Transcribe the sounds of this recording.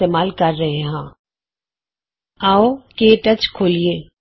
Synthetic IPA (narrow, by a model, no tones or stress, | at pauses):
eːmaːlkɐɾːɐɦeɦãː | aːokeːʈɐt͡ʃkʰoːlieː